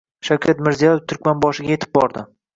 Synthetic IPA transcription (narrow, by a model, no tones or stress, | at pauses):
ʃawkʲʰat̪mɪɾzijɒjeft̪ʰʊɾkʲmanbɒʃɪɡʲajet̪ʰɪ̥p̚bɒɾd̪ɪ